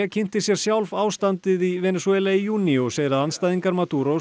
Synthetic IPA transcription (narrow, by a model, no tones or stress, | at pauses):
ɛcʰɪn̥t̪ɪsjɛɾ̥sjawlvaːwst̪ant̪ɪðivɛːnɛswɛlaijuːnioseːjðɪɾaðanst̪ajðiŋkaɾmat̪uɾo